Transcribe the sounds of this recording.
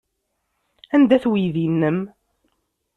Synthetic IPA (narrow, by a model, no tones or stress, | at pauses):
ænd̪æθwiðinːəm